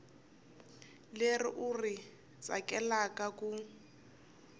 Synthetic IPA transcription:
lerḭʔuri | t͡sʼa̰kʼɛlakʼakʼu

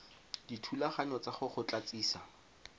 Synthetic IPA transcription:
ditʰulaχaɲɔt͡saχʊχʊt͡ɬat͡siːsa

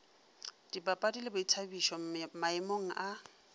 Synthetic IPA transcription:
d̥ibapʼadilɪbʊitʰabiʃɔmaɪmoŋ̩ʔa

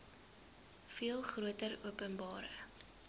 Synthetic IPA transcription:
fiəlˠχruətəruəpənbɑːɾə̰

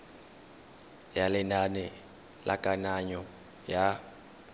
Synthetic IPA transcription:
jalɪnanɛ | la̰kʼanaɲɔ | ja

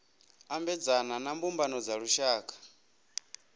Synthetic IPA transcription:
ambɛd͡zananambumbanɔd͡zaɺuʃaːkʰʼḁ

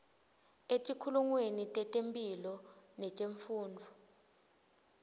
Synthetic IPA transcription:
etʼikʰuluŋwenitʼɛtʼempʼilɔnɛtʼeɱfuːnd͡vʱɔ

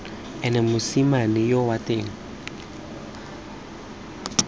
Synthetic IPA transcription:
ɛnɛmʊsimanɪjowatʼeːŋ̩

